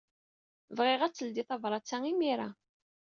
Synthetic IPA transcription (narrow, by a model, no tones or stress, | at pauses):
vʁɪʁæt͡sːəld̪iθˤɑvɾˤɑt͡sːæŋimiɾa̰